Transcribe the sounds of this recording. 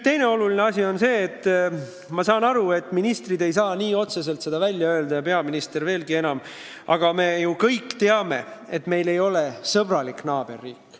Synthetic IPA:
t̪e̞jne̞o̞lulineɑsʲio̞nse̞ːt̪ːˑ | mɑsɑːnɑɾue̞t̪ːˑminist̪rid̪e̞jsɑːniːo̞t̪se̞se̞lt̪se̞d̪̥ɑvælʲjɑø̞ːld̪ɑjɑpe̞ɑminist̪e̞ɾve̞ːlɡie̞nɑm | ɑ̰ɡ̥ɑme̞jukɤjkːˑt̪e̞ɑme̞̰et̪me̞jle̞jo̞lesɤb̥rɑliknɑːb̥e̞rːiːkː

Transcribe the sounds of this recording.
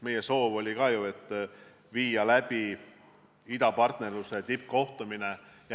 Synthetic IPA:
me̞jeso̞ːvo̞lʲikɑːjue̞t̪ˑː | viːjɑlæb̥i | id̪ɑpɑrt̪ne̞rluse̞t̪ip̚ko̞ht̪umine̞j

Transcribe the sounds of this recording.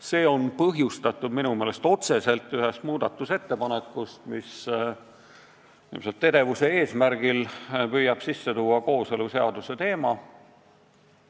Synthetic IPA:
se̞ːo̞npɤɦjust̪ɑt̪ːˑud̪minume̞ːle̞st̪o̞t̪se̞se̞lt̪ːˑyɦe̞st̪muːd̪̥ɑt̪ːˑuse̞t̪ːe̞pɑnekːust̪mis | nḭːmselt̪ːe̞d̪e̞vuse̞eːsmæɾɡ̥ilpyjːɑb̥sisːe̞t̪uːɑko̞ːse̞luse̞ɑd̪use̞t̪e̞ːmɑ

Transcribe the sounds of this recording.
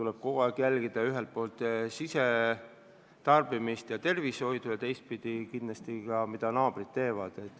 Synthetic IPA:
t̪ulɛb̥̚kokɑkjælɡid̪̥ɑyɦelt̪̚po̞ːlt̪ˑsise | t̪ɑrb̥imist̪jɑt̪e̞rvisho̞jd̪̥ujɑt̪e̞jst̪̚pid̪̥ikind̪lɑst̪ikɑmid̪̥ɑnɑːb̥rid̪̚t̪ːe̞ːvɑd̪̥e̞t̪ːˑ

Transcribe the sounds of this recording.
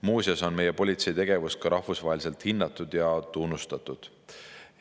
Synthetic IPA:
muːsjɑso̞nme̞jepo̞lʲit̪se̞jt̪e̞ɡ̥e̞vust̪̚kɑɾɑhfusvɑɦelʲise̞lt̪hinːɑt̪ːˑud̪̥jɑt̪unːust̪ɑt̪ˑud̪̥

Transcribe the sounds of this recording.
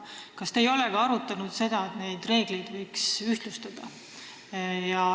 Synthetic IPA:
kɑst̪eːjo̞leɡ̥ɑɑɾut̪ːˑɑnud̪̥se̞d̪̥ɑet̪ne̞jd̪̥re̞ːɡ̥le̞jd̪vɤjksyht̪lust̪ɑd̪̥ɑ | jɑ

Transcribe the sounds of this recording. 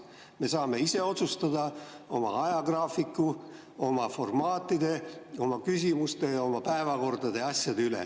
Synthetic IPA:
me̞sɑːme̞ise̞o̞t̪sust̪ɑd̪̥ɑo̞mɑ̰ɑjɑɡ̥rɑːfikːˑu | o̞mɑfo̞rmɑːt̪ːˑid̪̥e̞o̞mɑkys̬ʲimust̪e̞jɑo̞mɑpæe̞vɑko̞rd̪̥ɑd̪̥e̞ɑsʲjɑd̪eylḛ

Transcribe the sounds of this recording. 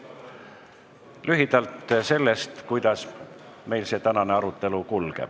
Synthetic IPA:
lyɦid̪̥ɑlt̪ːse̞lːest̪kujd̪̥ɑs | me̞jlse̞ːt̪ænɑneɑɾut̪ːˑe̞lukulɡ̥ɛ̰b̥

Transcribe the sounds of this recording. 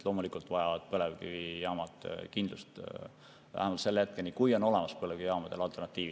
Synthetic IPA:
lo̞ːmulikult̪ˑvɑjɑvɑd̪̥̚pɤlevkivijɑːmɑt̪kind̪lust̪ | væ̰hæmɑlt̪se̞lːeet̪̚kenikujo̞no̞le̞mɑspɤleɡ̥ijɑːmɑd̪̥e̞lɑlt̪ːˑernɑt̪ˑːiːvi

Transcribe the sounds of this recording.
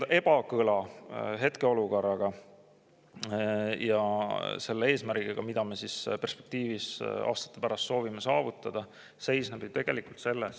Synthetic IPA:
d̪ʔe̞b̥ɑkɯlɑɦe̞t̪ke̞o̞luko̞rːɑɡ̥ɑ | jɑ̰se̞lːee̞ːsmæɾɡiɡ̥ɑmid̪ɑme̞sispe̞rspe̞̥k̚t̪iːvisɑ̰ːst̪ɑ̥t̪ːepæɾɑst̪so̞ːvimesɑːvut̪ːˑɑd̪̥ɑ | se̞jsneb̥t̪e̞ɡ̥e̞likult̪se̞lːes

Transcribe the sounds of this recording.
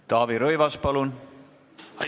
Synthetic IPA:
t̪ɑːviɾøjvɑspɑlun | ɑ

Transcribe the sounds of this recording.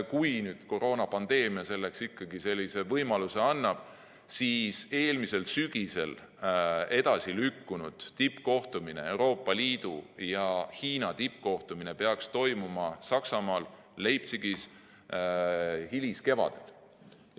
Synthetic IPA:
kujnyːd̪̥ko̞ɾo̞ːnɑpɑnd̪̥e̞ːmiɑse̞lːe̞ksikːɑɡ̥ise̞lʲːise̞vɤjmɑluse̞ɑnːɑb̥ | siːse̞ːlmise̞lsyɡ̥ise̞̰l | e̞d̪̥ɑsilykːunud̪̥t̪ipːko̞ht̪umine̞e̞wɾo̞ːpːˑɑliːd̪̥ujɑhiːnɑt̪ipːko̞ht̪umine̞pe̞ɑkst̪o̞jmumɑsɑksɑmɑːlː | ejp̚t̪siɡ̥is | hiliske̞vɑ̰d̪̥e̞l

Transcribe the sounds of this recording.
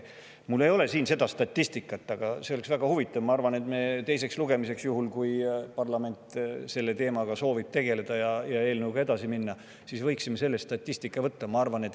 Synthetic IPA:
mulːe̞jo̞le̞siːnse̞d̪̥ɑst̪ɑt̪ʲːist̪ikːˑɑt̪ːˑɑɡ̥ɑse̞oleksvæɡ̥ɑhuvit̪ˑːɑvmɑɑrvɑne̞t̪meːt̪e̞js̬e̞ksluɡ̥e̞mise̞ksjuɦulkujpɑrlɑme̞nʲt̪ˑse̞lːe̞t̪e̞ːmɑɡ̥ɑso̞ːvib̥̚t̪e̞ɡe̞le̞d̪̥ɑjɑjɑe̞ːlnəwɡ̥ɑe̞d̪̥ɑsiminːɑ | sisvɤjksimːese̞lːest̪ɑt̪ʲːisʲt̪ikːˑɑvɤt̪ːɑmɑɑrvɑne̞t̪ː

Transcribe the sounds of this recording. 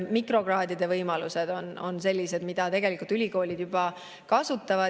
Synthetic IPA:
mikro̞ɡrɑːd̪̥id̪̥e̞vɤjmɑluse̞d̪̥o̞no̞̰nse̞lʲːise̞d̪̥mid̪̥ɑt̪e̞ɡe̞likult̪ylʲiko̞ːlʲid̪̥jub̥ɑ | kɑsut̪ːˑɑvɑ

